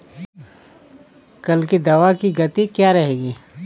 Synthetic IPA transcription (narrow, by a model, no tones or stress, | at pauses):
kɐlked̪ɐʋakiɡɐt̪ikjaɾɐɦeːɡiː